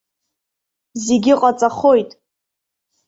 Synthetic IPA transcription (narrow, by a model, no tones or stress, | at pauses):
zeɡʲɪqʼat͡sʼaχo̞jtʼ